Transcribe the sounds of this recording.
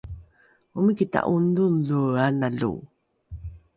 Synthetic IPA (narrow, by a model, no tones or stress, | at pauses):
umikita̰ʔundunluanaɮṵ